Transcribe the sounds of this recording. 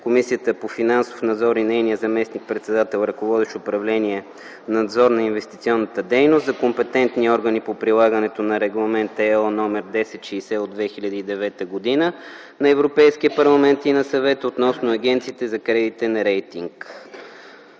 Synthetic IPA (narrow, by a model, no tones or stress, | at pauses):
komisiət̪əpofinansofnɐd̪zɔɾinɛjnijəzɐmɛsnik̚pɾɛt̪sɛd̪at̪ɛlˠɾɐkovɔd̪ɛʃopɾɐvlɛniɛ | nɐd̪zɔɾnɐinvɛst̪it̪siɔnːət̪əd̪ɛjnʊst̪zɐkompɛt̪ɛnt̪niɔɾɡənipopɾilˠaɡənɛt̪onɐɾɛɡlˠɐmɛnt̪ɛnɔmɛɾd̪ɛsɛt̪ʃɛjsɛod̪vɛxiʎʲɐd̪iːd̪ɛvɛt̪əɡod̪inə | nɐɛvɾopɛjskiəpɐɾlˠɐmɛnt̪inɐsɐvɛt̪əot̪nɔsnʊɐɡ̟ʲɛnt̪siːt̪ɛzɐkɾɛd̪it̪ɛnɐɾɛjt̪iŋk